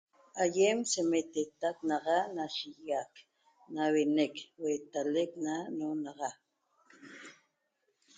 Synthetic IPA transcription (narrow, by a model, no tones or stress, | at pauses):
ajemsemet̪et̪ak̚nɑʁɑnaʃijak | nawenekwet̪aleknanonɑʁɑ